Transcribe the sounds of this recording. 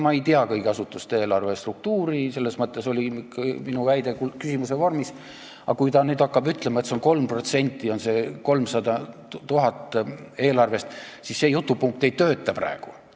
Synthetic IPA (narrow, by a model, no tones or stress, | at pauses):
mɑe̞jt̪iɑkɤjɡeɑsut̪ːˑust̪ee̞ːlɑrve̞st̪ruk̚t̪uːɾise̞lːe̞smɤt̪ːˑeso̞lʲikminuvæjd̪e̞kukysʲimusevɑrmis | ɑkujt̪ɑnyːd̪ɑkːɑbyt̪ˑle̞mɑet̪seonko̞lmpro̞t̪se̞nʲt̪ːˑio̞nse̞ko̞lmsɑd̪ɑt̪uɦɑt̪ːˑ | e̞ːlɑrve̞st̪sisːe̞jut̪ːˑupuŋk̚t̪ejt̪øːt̪ˑːɑpræ̰eɡ̥u